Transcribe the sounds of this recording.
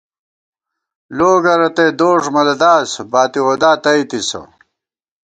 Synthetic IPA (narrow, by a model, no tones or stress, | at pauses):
loːɡɐɾɐt̪ejd̪oːʐmɐlɐd̪aːsbaːt̪iwod̪aːt̪ɐjt̪isɐ̰